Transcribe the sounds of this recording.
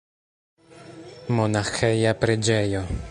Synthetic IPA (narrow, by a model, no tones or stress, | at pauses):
monaxejapɾed͡ʒejo